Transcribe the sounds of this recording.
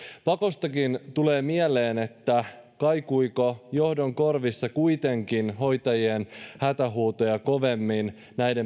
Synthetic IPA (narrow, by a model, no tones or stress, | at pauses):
pɑko̞st̪ɑkint̪ule̞ːmiæle̞ːnet̪ːækɑjkuikojo̞hdoŋko̞rʋisːɑkujt̪e̞ŋkinɦo̞jt̪ɑjienhæt̪æɦuːt̪ojɑko̞ʋe̞mːin | næjde̞